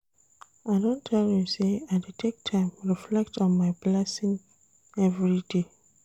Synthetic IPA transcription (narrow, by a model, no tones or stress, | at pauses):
aɪdõntʰɛljĩseaɪdetʰek̚tʰãɪ̃mɹiflɛk̚tɔ̃nmaɪblɛsĩŋ | ɛvɹide